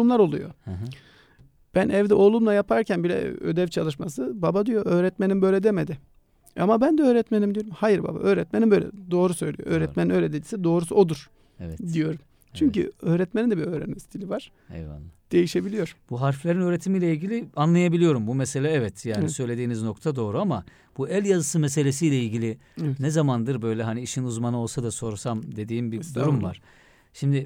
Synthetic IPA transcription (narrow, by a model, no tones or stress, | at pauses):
umlˠaɾo̞lˠṵjo̞̰ | b̥ænʔɛvd̪ɛʔo̞lˠumlˠajapʰaɾcʰænbilʲɛ̰ød̪ɛvt͡ʃʰalˠɯʃmasɯbabad̪ijo̞ʔøːɾɛt̪menimbø̞ːjlʲɛd̪emed̪ɪ | a̰mabænd̪ɛø̞ːɾɛt̪menimd̪ijo̞ɾumhajiɾba̰ba̰ʔø̞ːɾɛt̪menimbøjlʲɛ̰d̪o̞ːɾusø̞jlʲijo̰ʔøːɾɛt̪meninøːlʲed̪ed͡ʒisɛd̪o̞ːɾusuo̞d̪uɾ̥ | ɛvɛd̪ijo̞ɾum | t͡ʃʰyɲcy̰øːɾɛt̪menind̪ɛbiɾøːɾɛ̰nimsit̪ʰilʲivaɾ̥ | ɛ̰a̰nːˠad̪̥e̞jiʃe̞bilʲijo̞ɾb̥uɦaɾflʲeɾinøːɾet̪ʰimijlʲɛilʲɟilʲianlˠajabilʲijo̞ɾumbumɛselʲaɛvɛt̪ʰjaːnisø̞jlʲe̞d̪iːnizno̞k̚t̪ʰad̪o̞ːɾuama | b̥uælʲjazɯsɯmese̞lʲe̞sijlʲɛilʲɟilʲi | nɛzamand̪ɯɾbø̞jlʲɛɦaniiʃinuzmanɯo̞lˠsad̪aso̞ɾusamd̪e̞d̪iːmbid̪uɾumvaɾ̥ | ʃimd̪ɪ